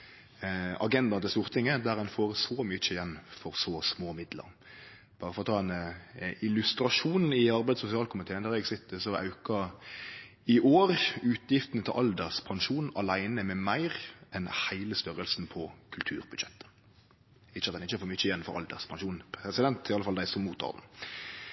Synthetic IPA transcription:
ɑ̰ɡɛnd̪ɑnət̪ɪst̪uːʁt̪ʰɪŋːəd̪æʁɛnfoːʁsɔmʏçəjɛnːfɔɾsɔsmoːmɪd̪lə̰ɾ | b̥ɑːɾəfɔʁɔt̪ʰɑːɛnɪlʉst̪ɾɑʂuːn̩ɪɑɾbæɪd̪sʊsɪɑːlkʰʊmɪt̪ʰeːənd̪æɾɛɡsɪt̪ːəsɔʔɑ̰ʉkɑ | ɪʔoːʁʉːt̪jɪft̪ənət̪ʰɪlʔɑld̪əʁspʰɑnʂuːnɑ̰læɪnəmɛmæɪʁʔɛnhæɪləst̪œɾəlsn̩pʰɔkʰʉlt̪ʰʉːɾbʉd̪ʃɛt̪ːə̥ | ɪːəɑt̪ɛnɪçːəfoːʁmʏçəjɛnfɔ̰ɾɑ̰ld̪ə̰ʁspʰɑnʂuːnpʰɾɛsɪd̪ɛnt̪ɪɑləfɑld̪æɪsɔmːuːt̪ʰɔ̰ːd̪n̩

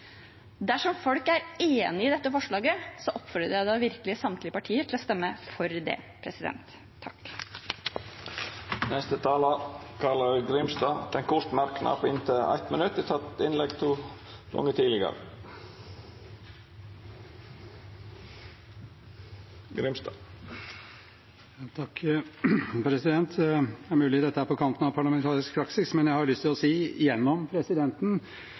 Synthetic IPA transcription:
d̪æʂɔmfɔlkæɾeːnɪɪd̪ɛt̪ːəfɔʂɭɑːɡəsɔʔɔpfœɾəjæɪd̪ɑːʋɪɾklɪəsɑmt̪lɪəpɑʈʰiːəʈʰɪlɔst̪ɛmːəfɔɾd̪ḛːpʰɾɛsɪd̪ɛ̰nt̪ʰː | ɑk | nɛst̪ət̪ʰɑːlɑkʰɑləɾɡɾɪmsd̪ɑːd̪̥ɛnkʰʊʂt̪mɑɾknɑ̰pʰːɪnt̪ʰəæ̰ɪt̪mənʉt̪ːət̪ʰɑt̪ɪnlɛɡt̪ʰuː | ɡ̥ɔ̰ŋːət̪ʰiːlɪɡə̰ɾə̰ | ɡɾɪmsd̪ɑː | jɑːt̪ʰɑkː | pʰɾɛsɪd̪ɛnt̪ʰæɾmʉːlɪd̪ɛt̪ːəhæːpɔkʰɑnt̪ənɑʋpʰɑɭɑmɛnt̪ʰɑːɾɪsk̚pʰɾɑksɪsmɛnjæɪhɑɾɭʏst̪ʰɪlɔsiːɪjɛnːɔmpʰɾɛsɪd̪ɛnt̪n̩

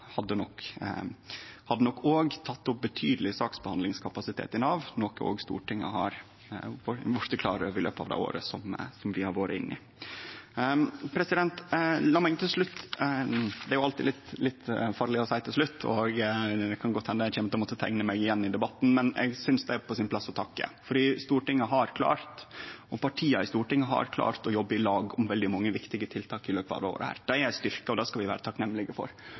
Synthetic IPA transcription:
hɑd̪ːənɔkː | hɑd̪ːənɔkːoːɡt̪ʰɑt̪ːʊp̚bət̪ʰyːd̪əlɪsɑːksbəhɑnd̪lɪŋskʰɑpɑsɪt̪ʰḛːt̪ɪnɑːʋnɔko̰ːɡst̪ṵːʈʰɪŋːə̰ɦɑɾ | fɔʋɔʂt̪əkʰlɑ̰ːɾəɪlø̰ːpɑ̰ʋd̪ɛ̰ɪo̰ːɾə̰sɔmsɔmʋɪhɑɾʋoːɾəɪ̰nːʔɪ̰ | pʰɾɛsɪd̪ɛnt̪lɑːmɑɪnt̪ʰɪlʂɭʉt̪ː | d̪ɛæɾjʊɑlt̪ɪːlɪt̪lɪt̪ːfɑːɾɭɪɔsæɪt̪ʰɪlʂɭʉt̪ːɔ̰ɡd̪ɛkʰɑnɡɔt̪ːhɛnːəjæçɛːmət̪ɔmɔt̪ːət̪ʰæŋnəmæɪɪjɛnːɪd̪ɛbɑt̪ːn̩mɛnɛ̰ɡsʏnsd̪ɛæɾpʰɔsɪnpʰlɑsːɔt̪ʰɑkːə̰fɔɖiːst̪uːʈɪŋːəɦɑɾkʰlɑ̰ːɾt̪ɔpɑʈʰiːɑɪst̪uːʈɪŋːəɦɑ̰ɾkʰlɑ̰ːɾt̪ɔjɔbːəɪlɑːɡɔmʋɛld̪ɪmɑŋːəʋɪkt̪ɪɡət̪ʰɪlt̪ʰɑːkɪløːpəɑ̰d̪əo̰ʋ̰d̪əhæ̰ːɾd̪̥ɛæɾjæɪst̪ʏɾkəɔd̪ɑskɑʋɪʋæ̰ːɾət̪ʰɑknɛmːəlɪɡəfɔ̰ɾ

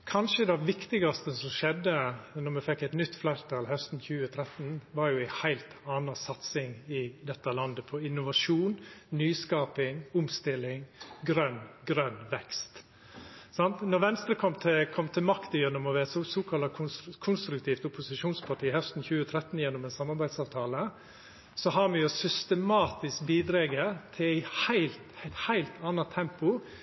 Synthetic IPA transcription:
kʰɑnʂəd̪ɑʋɪkt̪ɪɡɑst̪əsɔmʂɛd̪ənɔɾmɛfɛkːɛɪt̪nʏt̪ːflæɪɾt̪ʰɑːlhœst̪n̩çʉːət̪ʰɾɛt̪n̩ʋɑɾjʊæhæɪlt̪ɑːnɑsɑt̪sɪŋɪd̪ɛt̪ːɑlɑnd̪əpʰɔɪnːʊʋɑʂuːnnyːskɑːpɪŋʊmst̪ɪlːɪŋɡɾœnɡɾœnːʋɛkst̪ | sɑnt̪nɔɾʋɛnst̪ɾəkʰɔmt̪ʰɪkʰɔmːt̪ʰɪlmɑkt̪əjɛnːʊmɔʋɛɛt̪sosoːkʰɑlʰkʰʊnst̪ɾʉkt̪ʰiːft̪ʊpʊsɪʂuːnspʰɑʈiːhɛft̪n̩çʉːət̪ʰɾɛt̪ːnjɛnːɔmɛnsɑmɑɾbæɪd̪sɑːʋt̪ʰɑːlə | sɔɦɑɾmɛjʊsʏst̪əmɑːt̪ɪskbiːd̪ɾeɡət̪ʰɪlæɪhæɪlt̪hæɪt̪hæɪlt̪ʰɑnɑt̪ʰɛmpʊ

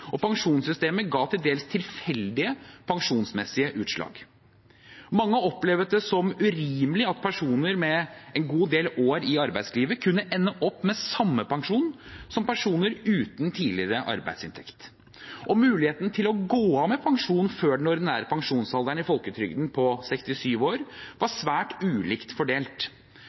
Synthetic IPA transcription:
ɔpʰɑŋʂuːnsʏst̪eːməɡɑːt̪ʰɪld̪eːlst̪ʰɪlfɛld̪ɪəpʰɑŋʂuːnsmɛsɪəʔʉːt̪ʂlɑ̰ːɡ̥ | mɑŋːəɔpleːʋət̪̚d̪ɛsɔmʉɾiːmlɪɑt̪pʰæʂuːnəɾmɛɛnɡuːd̪eːloːɾɪɑɾbæɪsliːʋəkʰʉnːəʔɛnːəʔɔpːmɛsɑmːəpʰɑŋʂuːn | sɔmpʰæʂuːnəɾʉːt̪n̩t̪ʰiːlɪɾəʔɑ̰ɾbæ̰ɪd̪sɪnt̪ʰɛkt̪ | ʔɔmʉːlɪheːt̪ənət̪ʰɪlɔɡoːɑːʋmɛpʰɑŋʂuːnføːɖɛnɔɖ̪ɪnæːɾəpʰɑŋʂuːnsɑld̪æɳɪfɔlkət̪ʰɾʏɡd̪n̩pʰɔsɛkst̪ɪsyːʋoːɾʋɑsʋæːʈʉːliːkt̪fɔɖeːlt̪

